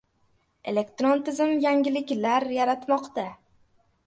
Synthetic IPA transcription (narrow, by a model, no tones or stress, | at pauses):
e̞̰le̞kt̪ɾont̪ʰɪzɪmjaŋʲɪlɪkʲlaɾjaɾat̪mɒqt̪a